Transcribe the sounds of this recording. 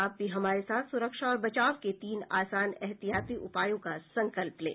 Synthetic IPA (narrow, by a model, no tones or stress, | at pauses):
aːp̚biɦɐmaːɾesaːt̪ʰsʊɾəkʃaɔːɾbɐt͡ʃaːʋket̪iːna̰ːsaːnɛɦt̪ijaːt̪iʔʊpaːjõkasɐ̃ŋkəlplḛː